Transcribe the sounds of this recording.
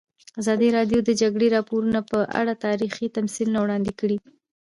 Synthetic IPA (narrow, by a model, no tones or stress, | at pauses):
azɑd̪iɾɑɖjod̪əd͡ʒaɡɽeɾɑpoɾunapəʔa̰ɽat̪ɑɾixit̪amsilunawɽɑnd̪ɪkəɽi